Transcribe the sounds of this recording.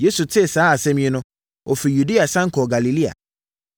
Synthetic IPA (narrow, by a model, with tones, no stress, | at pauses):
je˦su˨tʰɪ˦˨saː˨˦a˨sɛ̃˦m̃˦ĩ˦nʊ̃˦ | o˨fi˨ju˨di˦a˨sã˦ŋ̩˨kʰɔ˨ɡa˨li˨li˦a̰˨